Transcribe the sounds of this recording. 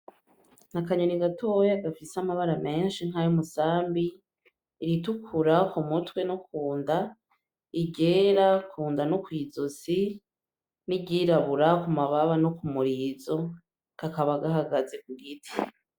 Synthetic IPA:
nakaɲoniɡatʰo̞jaɡafisamaβaɾame̞ːnʃiŋ̥ɦajumusaːmbiː | ɾitukʰuɾakumutwe̞nokʰuːnda | iɟeːɾakʰuːndanokwiːzozi | nibɟiːɾaβuɾakumaβaβanokumuɾiːzo̞ | kakaβaɡaɦaɡaze̞kuɡitʰi̥

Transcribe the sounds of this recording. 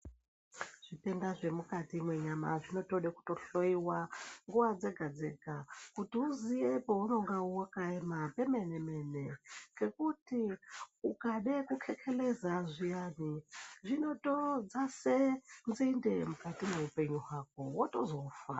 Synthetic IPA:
ʐ̥ʷitendaʐʷemukatimweɲama̰ʐʷino̞toɗeku̥toɬoiwaŋɡuwad͡zeɡʱad͡zeɡ̥ʱakutiuzijepouno̞ŋɡauwakaemapemenemeneɡekutiukaɗekukʰekʰelezazʷijaniʐʷinotod͡zasend͡zindemukatimweupe̞ɲuɦwak̚owotozofa̰

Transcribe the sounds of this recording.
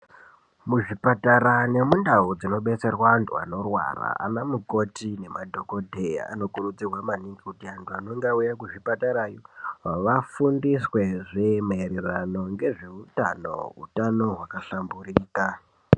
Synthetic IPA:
muʐipataɾane̞mundaud͡zino̞ɓe̞t͡se̞rwantʰua̰no̞rwa̰ra̰a̰namuko̞tine̞madʱo̞ko̞dʱeja̰a̰no̞kurud͡zirwamaniŋɡikutiantʰuano̞ŋɡaujakuʐipataɾajoaʋafundiswe̞ʐemaeɾerano̞ŋɡe̞ʐe̞utano̞̰ṵtano̞ɦwakaɬamburiːka

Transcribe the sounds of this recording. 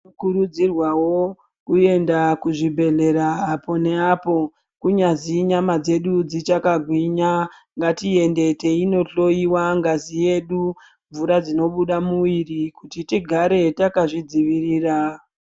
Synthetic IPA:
kuɾud͡zirwawo | kue̞ndakuʐibʱe̞ɮe̞ɾaːpo̞ne̞apo̞ | kuɲaziɲamad͡ze̞ɗud͡zit͡ʃakaɡʱwiɲa | ŋɡatie̞nde̞te̞ino̞ɬo̞iwaŋɡazije̞ɗu | ɱvuɾad͡zino̞ɓuɗamuwirikutitiɡʱaɾe̞takaʐid͡ziʋiriːra

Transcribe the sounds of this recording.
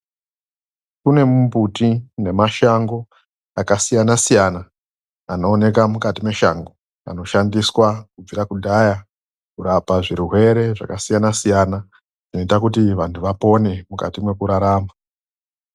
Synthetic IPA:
kune̞mumbutine̞maʃaŋɡo̞ | akasijanasijana | ano̞ːne̞kamukatime̞ʃa̰ŋɡo̞ | a̰no̞ʃandiswakub͡viɾakudʱaja | kuɾapaʐiɾuɦwe̞ɾe̞ʐa̰kasijanasijana | ʐ̥ino̞itakut̬iʋantʰuʋapo̞ne̞muka̰timwe̞kuɾaɾaːma

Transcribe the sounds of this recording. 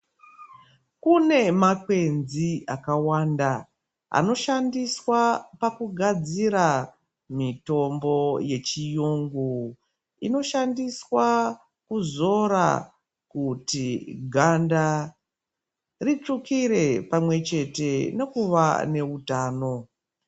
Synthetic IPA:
kune̞makwe̞nziakawaːnda | a̰no̞ʃandiswapakuɡʱad͡ziɾa | mito̞mbo̞je̞t͡ʃijuːŋɡu | ino̞ʃandiswa | kuzo̞ɾa̰ | kutiɡʱanda | rit͡ʂukiɾe̞pamwe̞t͡ʃe̞te̞nekuʋa̰ne̞utaːno̞

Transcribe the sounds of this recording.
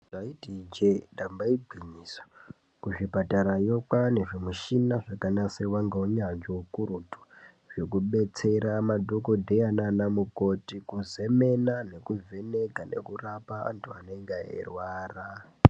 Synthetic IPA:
ʐaitid͡ʒendambaibʱiɲiːswḁ | kuʐipataɾajo̞kane̞ʐimuʃinaʐakanasewaŋɡeuɲad͡ʒoukuɾutu̥ | ʐ̥ekuɓe̞t͡se̞ɾamadʱoko̞dʱejananamuko̞tikuze̞me̞nane̞kuvʱe̞ne̞ɡʱane̞̰kurapaa̰ntʰuaneŋɡeḛrwaːra

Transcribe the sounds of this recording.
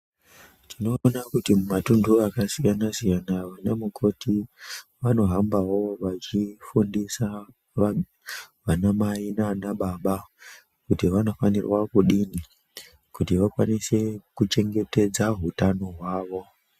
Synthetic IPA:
tʰino̞nakutimumatunduakasijanasijanaʋanamukʰo̞tiʋano̞ɦambawo̞ʋat͡ʃifundisa | ʋanamainaanaɓaɓa | kutiʋano̞fanḭrwakuɗini | kutiʋakwa̰nise̞kut͡ʃe̞ŋɡe̞te̞d͡zaɦutano̞ɦwaːʋo̞

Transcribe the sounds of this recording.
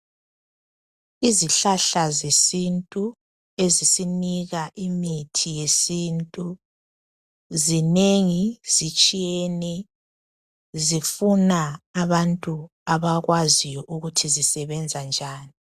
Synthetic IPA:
iziɬaɬazesintʼu | ezisiniɣaʔimitʰijesiːntʼu | zineŋizit͡ʃʼijenɛ | zifunaːβantʼu | aβaɣwazijɔʔuɣutʰizisɛβɛnd͡zʱand͡ʒʱaːni

